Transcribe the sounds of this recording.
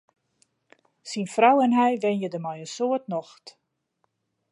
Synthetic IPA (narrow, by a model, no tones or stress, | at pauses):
sinfrawɛnɦɛjʋɛnjədəmɔjənsoətnɔxt